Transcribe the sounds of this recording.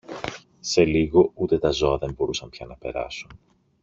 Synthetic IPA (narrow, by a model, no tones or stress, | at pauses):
se̞liɣo̞ut̪e̞t̪ɐzo̞ɐðe̞mbo̞ɾusɐmpçɐnɐpe̞ɾɐ̰sun